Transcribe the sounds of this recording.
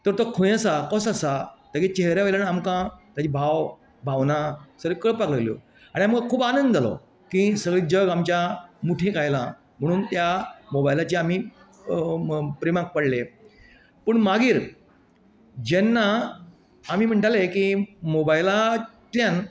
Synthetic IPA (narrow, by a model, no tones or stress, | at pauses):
t̪əɾt̪okʰõjasakɔ̃sasat̪akit͡ɕeɦɾjaʋəjlanamkãt̪jat͡ɕibʱaw | bʱaʋnasəɾekəɭpaklaɡljo̰ | aɽiaməɡakʰuːbanənd̪d͡zalɔ̰ | kisəɡɭiːd͡ʑəɡamt͡ɕjamuʈʰẽkajlã̰ | m̤əɽ̃uːnt̪jamobajlat͡ɕeam̤i | pɾimãk̚pəɽle | pəɳmaɡiːɾ | d͡ʑɛnːaː | miːm̤əɳʈalekimobajilat̪ljan